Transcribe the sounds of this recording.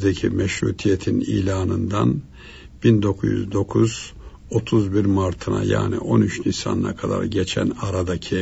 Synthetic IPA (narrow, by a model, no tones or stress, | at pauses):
d̪ecʰimɛʃɾṵːt̪ʰijet̪ʰinḭːlʲaːnɯnd̪an | bind̪o̞kʰuzjy̰zd̪o̞kʰuz̥ | o̞t̪ʰuzbiɾmaɾt̪ʰɯna̰ja̰ːnḭʔo̞nyt͡ʃnisa̰nɯna̰kʰad̪a̰ɾɟet͡ʃʰæ̰naɾad̪acʰi